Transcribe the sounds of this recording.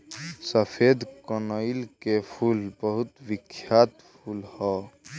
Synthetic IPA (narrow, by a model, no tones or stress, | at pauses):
səpʰed̪kənəilkepʰulbəɦut̪ʋɪkʰːjaːt̪pʰulhɔ